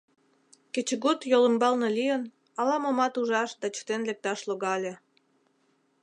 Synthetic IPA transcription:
ket͡ɕəɣut̪jolə̆mbɑlnelijən | ɑlɑmomɑt̪uʒɑʃd̪ɑt͡ɕə̥t̪enlek̚t̪ɑʃloɣɑlʲe

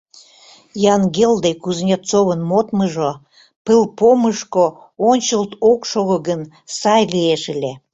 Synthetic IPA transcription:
jɑnɡeld̪ekuznʲet̪t͡soβənmot̪məʒo | pɨlpoməʃko | onʲt͡ɕəlt̪okʃoɣəɣən | sɑjleeʃəlʲe

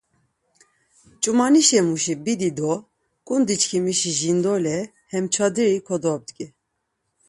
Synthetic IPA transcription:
t͡ʃʼumɑniʃɛmuʃibid̪id̪ɔ | kʼund̪it͡ʃkʰimiʃiʒind̪ɔlɛ | hɛmt͡ʃʰɑd̪iɾikʰɔd̪ɔb̚d̪kʼɛ

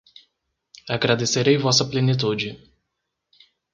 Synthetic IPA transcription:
aɡɾad̪iseɾejvasəplʲenit̪̬ud͡ʒi

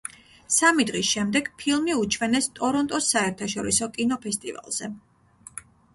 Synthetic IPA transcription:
samid̪ʁisʃɛmd̪ɛɡ̥pʰilˠmiut͡ʃʰvɛnɛst̪ʼɔɾɔnt̪ʼɔsːaɛɾt̪ʰaʃɔɾisɔkʼinɔpʰɛst̪ʼḭva̰lˠz̥ɛ

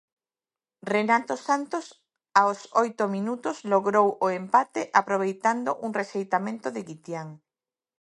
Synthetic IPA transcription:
renat̪osant̪os | aosojt̪ʊminut̪ʊsloɣɾowoempat̪ɪʔapɾoβ̞ejt̪and̪oʔuŋreʃejt̪amẽnt̪ʊðɪɣit̪jaŋ

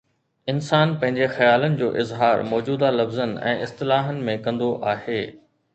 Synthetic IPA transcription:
ɪnsaːnpɐ̃ɦɪ̃ɲd͡ʑexɐjaːlənɪ̆d͡ʑoːʔɪzɦaːɾmɔːd͡ʑuːd̪alɐfzənɛ̰̃ːɪst̪ɪlaːɦənɪ̆mẽkɐ̃nd̪oʔaːheː

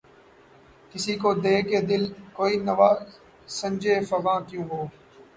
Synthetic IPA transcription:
kɪsiːkoːd̪eːkeːd̪ɪlkoːiːnəʋaː | səmd͡ʒeːfəʋãːkjũːɦoː

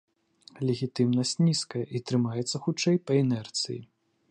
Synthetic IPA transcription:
lʲeɣʲit̪ɨmnɐsʲt͡sʲnʲiskɐjɐʔit̪ɾɨmajɛt̪sːɐxut͡ʂːɛjpɐɛnɛrt̪sɨ̰jḭ

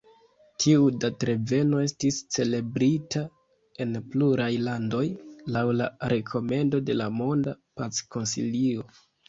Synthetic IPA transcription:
tʰiudatɾe̞ve̞no̞e̞stist͡se̞le̞bɾitʰa | e̞npluɾajlando̞jlawlaɾe̞kʰo̞me̞ndo̞de̞lamo̞ndapat͡sko̞nsḭlio̞

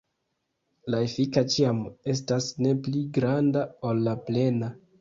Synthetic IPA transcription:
laefikat͡ʃiame̞s̬tasne̞pliɡɾandaolːaple̞na

